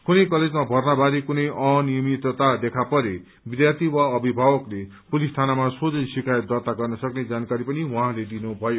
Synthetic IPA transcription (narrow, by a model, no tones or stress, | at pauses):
kunʌjkʌled͡zmabʱʌrnabaɾekunʌjʔʌnijʌmit̪ʌt̪ad̪ekʰapʌɾe | bid̪jat̪iwaʌbʱibʱawʌkle | pulist̪ʰanamasod͡zʌsikajʌt̪̚d̪ʌt̪aɡʌrnʌsʌkned͡zankaɾipʌniwãɦãled̪inubʱʌjo